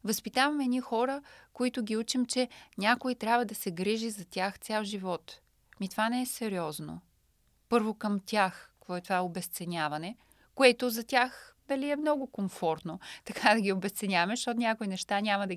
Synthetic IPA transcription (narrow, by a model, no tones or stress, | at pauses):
vɐspit̪avɐmɛnʲixɔɾəkoit̪ʊɡʲiut͡ʃɛmt͡ʃɛnʲakoit̪ɾʲjabvɐd̪ɐsɛɡɾiʒizɐt̪ʲjaxt̪sʲalˠʒivɔt̪ | mit̪ovanɛɛsɛɾiɔzno̰ | pɤɾvokɐmt̪ʲaxkɔɛt̪ovaobɛst̪sɛnʲavɐnɛ | koɛt̪ʊzɐtʲaxd̪ɐliɛmnɔɡʊkomfɔɾt̪not̪ɐkad̪ɐɡʲiobɛst̪sɛnʲavɐmɛʃt̪ot̪nʲakoinɛʃt̪anʲamɐd̪ɐ